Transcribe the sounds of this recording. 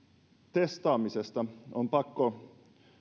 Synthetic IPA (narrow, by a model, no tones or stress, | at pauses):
t̪est̪ɑːmisest̪ɑompɑkːo